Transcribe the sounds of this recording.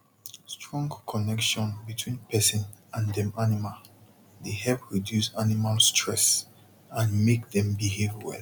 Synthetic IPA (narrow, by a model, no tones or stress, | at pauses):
stʰɹɔ̃ŋɡkʰɔnɛkʃɔ̃nbitʰwĩnpʰɛsɛ̃n | ãndɛ̃manimal | dehɛlpɹidjusanimalstʰɹɛs | ãnmekðɛ̃mbiheviwɛ̰l